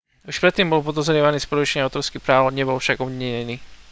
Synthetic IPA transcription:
uʃpɾɛt̪ːiːmbɔlpɔd̪ɔzɾɪɛʋaniːspɔɾut͡ʃɲɪaʊt̪ɔɾskipɾaːʊɲɛbɔlfʃaɡɔbɲɲɛɲɛniː

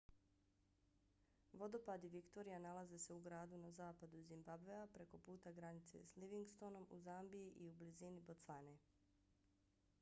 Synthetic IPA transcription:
ʋo̞d̪o̞pad̪iʋikt̪o̞ɾijanalˠaze̞se̞uɡɾaːd̪unazaːpad̪uzimbabveapɾe̞ko̞puːt̪aɡɾanit̪se̞̰sliʋiŋɡst̪o̞no̞muzambiiʔiublizinibo̞t̪sane

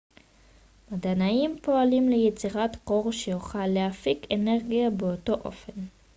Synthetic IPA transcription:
madanaimpo̞alimlejet͡siʁatqo̞ʁʃejuχalːehafikene̞ʁɡijabeoto̞ʔo̞̰fe̞n

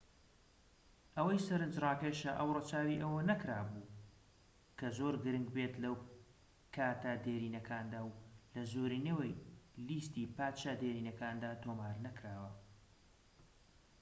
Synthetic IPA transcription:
ʔɐwɐjsɐɾɨnd͡ʒrɑːkɐjʃɐʔɐwrɨt͡ʃaːwiʔɐwɐnɐkɾaːbuː | kʰɐzoɾɡɨɾɨŋɡbet̪lɐw | kʰaːt̪ɐd̪eːɾiːnɐkʰaːnd̪aːwlɐzoɾiːnewejlist̪iːpaːt̪ʃad̪eːɾiːnɐkaːnd̪aːt̪ʰoːmaːɾnɐkɾaːwɐ

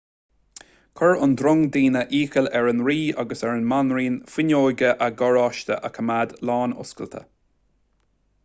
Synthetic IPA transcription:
kʰɔɹʊnd̪ɾʊŋd̪iːnəʔiːkəlɛɹənɹiːaɡəsɛɹənmanɹiːnfɪnʲoːjɡəʔəɡɔɹɑːʃt̪ə̰ʔəkʰəmad̪lɑːnʊ̰skəlt̪ʰə̰

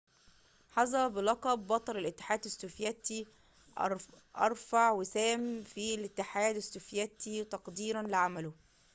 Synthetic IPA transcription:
ħɑzɑbɪlɑqɑbːɑt̪ˤɑlelɪt̪ːe̥ħaːd̪æsːofjæt̪i | ʔɑ̰ɾˤfaʕwɪsæːmfilɪt̪ːɪħaːd̪æsːofjæt̪it̪ɑqd̪iːɾænlɪʕamælʊ

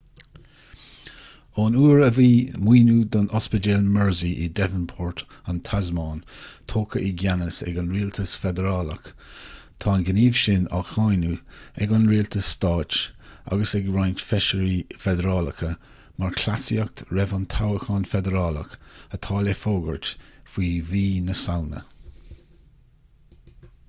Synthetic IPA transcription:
ɔːnuːɹəviːmwiːnuːd̪ɔnɔspəd͡ʒɛlmɛɹziʔid̪ɛvənpʰɔːɹt | ant̪ʰazmɑːnt̪ʰoːkəʔiɡanəsɛ̰ɡanɹiːlt̪ʰəsfɛd̪əɾɑːlək | t̪ʰɑːnɡəniːv̥ʃɪna̰xajnuɛɡɔnɹiːlt̪ʰəsːt̪ɑːt͡ʃa̰ɡəsɛɡɹajntfɛʃəɾifɛd̪əɾɑːləkʰə | maɹkʰlasiək̚t̪ɹɛvant̪ʰawəxɑnfɛd̪əɾɑːlə̰kət̪ʰɑːlɛfoːɡə̰ɹtfiːviːnəsawnə̰

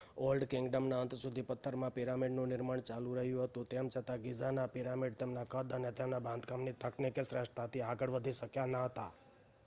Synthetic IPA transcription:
olɖkɪ̃ŋɡɖəmnaənt̪sud̪ʱipət̪ʰːəɾmãpiɾamiɖnũnɪɾmaɳt͡ʃalũɾəɦjũɦət̪ũt̪emt͡ʃʰət̪aɡid͡ʒanapiɾamiɖt̪emnakəd̪ənet̪emnabãnd̪ɡamnit̪əknikesɾəʂʈt̪ʰat̪ʰiaɡəɽʋəd̪ʱiʃəkjanaɦət̪a

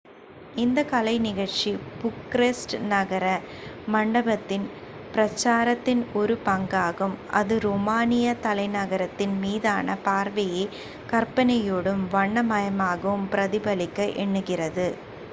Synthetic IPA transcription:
ɪnd̪ɐkɐlɐɪnɪɣɐɻt͡ʃipʊkːɾesʈnɐɣɐɾɐmɐɳɖɐbɐt̪ːɪn | pɪɾɐt͡ʃːaːɾɐt̪ːɪnɔɾɯpɐŋɡaːɣɯmʔɐ̰ðɯɾoːmaːnɪjɐt̪ɐlɐɪnɐɣɐɾɐt̪ːɪnmiːðaːnɐpaːɾʋɐjɐɪ | kɐɾpɐnɐjoːɽɯmʋɐɳːɐmɐjɐmaːɣɐʋɯmpɪɾɐðɪbɐlɪkːɐʔɛɳːɯɣɪrɐðɯ

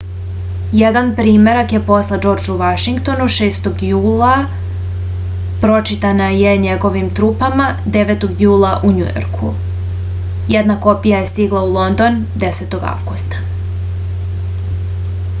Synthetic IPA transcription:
jed̪anpɾiːme̞ɾakjepo̞slˠed͡ʒo̞ːɾd͡ʒuʋaʃiŋkt̪o̞nuʃeːst̪o̞ɡjuːlˠa | pɾo̞t͡ʃit̪anaje̞ɲe̞ɡo̞ʋimt̪ɾuːpamad̪e̞ʋet̪o̞ɡjuːlˠaʔuɲṵjo̰ɾkʰṵ | jed̪nako̞pijaje̞st̪iɡlˠaulˠo̞nd̪o̞n | d̪e̞seːt̪o̞ɡa̰ʋɡust̪ḁ

